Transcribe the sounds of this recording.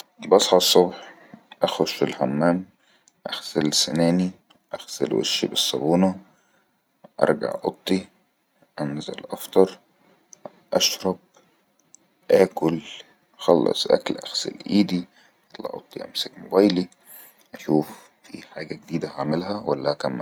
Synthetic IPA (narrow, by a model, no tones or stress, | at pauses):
bɑsˤħɑsˤːobħ | ʔæxoʃfilhomːæːm | ʔæxsælsenæːni | ʔæxsæ̰lwḛʃːibɨsˤːɑbuːnɑ | ʔɑ̰ɾˤɡa̰ʕʔɑt̪ˤːi | ʔænzḛlʔɑft̪ˤɑɾˤ | ʔɑʃɾˤɑb̚ | ʔæːkʊl | xɑlːɑ̰sˤʔæ̰klʔæxsḛlʔiːd̪i | ʔɑlːɑ̰ʔo̰t̪ˤːiʔæ̰msekmobæːjli | ʔæʃuːf | fḭħaːɡæɡed̪iːd̪æhaʕmɪlɦæwælːæhækæmː